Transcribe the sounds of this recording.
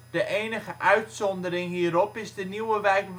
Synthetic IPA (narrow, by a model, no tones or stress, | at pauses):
d̥əʔeːnəχəʔœɥtsɔndəɾɪŋɦiːəɾɔpɪzdəniwəʋɛjkʋ